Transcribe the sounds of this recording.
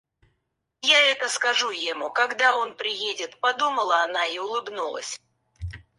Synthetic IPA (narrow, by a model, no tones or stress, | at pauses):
jaɛt̪əskɐʐujɪmukɐɡd̪ao̞npɾʲɪjedʲɪt̪pɐd̪uməlˠəɐnaiʊlˠɨbnulˠə̰sʲ